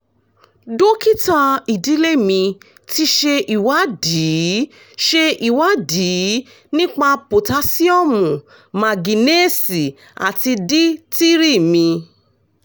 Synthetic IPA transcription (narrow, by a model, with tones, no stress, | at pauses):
do˦ki˦ta˧i˨di˨˦le˦mĩ˧ | ti˧ʃe˧ʔi˨wa˨˦diː˨˦ | ʃe˧ʔi˨wa˨˦diː˨˦ | nĩ˦k͡pa˦˧po˨ta˧˦si˦ɔ˦˨mũ˨ | mã˨ɡi˨ne˦˨si˨ | a̰˨ti˧di˦ti˦ɾi˦˨mĩ˧